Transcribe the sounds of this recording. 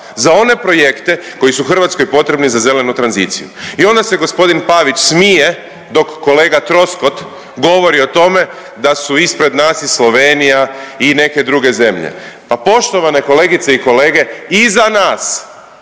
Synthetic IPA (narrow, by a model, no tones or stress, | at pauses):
zao̞ne̞pɾo̞je̞kt̪e̞ko̞jisuuxr̩ʋaːt̪skojpo̞t̪ɾe̞bnizaze̞lenut̪ɾanzḭːt̪sḭjṵio̞nd̪ase̞ɡo̞spo̞d̪inpaʋit͡ʃsmije | d̪o̞kːo̞le̞ːɡat̪ɾo̞sko̞t̪ | ɡo̞ʋo̞ɾio̞t̪o̞me̞ | d̪asuispɾe̞d̪naːsislˠo̞ʋeːnijaine̞ke̞d̪ɾuɡe̞ze̞mʎḛ | papo̞ʃt̪o̞ʋane̞ko̞le̞ɡit̪se̞iko̞le̞ːɡe̞izanaːs